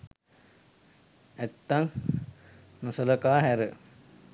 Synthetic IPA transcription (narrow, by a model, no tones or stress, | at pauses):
æt̪ːaŋ | nəsələkaːɦæɾə